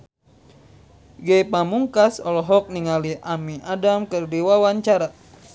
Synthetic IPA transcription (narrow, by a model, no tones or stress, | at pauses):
ɡepamuŋkasɔlɔɦɔk̚niŋaliʔamiʔadamkɨrdiwawaɲt͡ʃaɾa